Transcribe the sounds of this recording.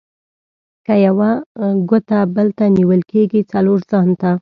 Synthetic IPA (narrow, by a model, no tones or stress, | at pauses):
kajawaɡot̪abəlt̪aniwəlkeɡit͡saloɾzɑnt̪a